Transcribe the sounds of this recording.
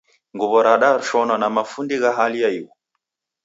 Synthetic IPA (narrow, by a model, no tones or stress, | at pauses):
ŋɡuβɔɾaɗaɾuʃɔnanamafundiɣaɦalijaiwɔ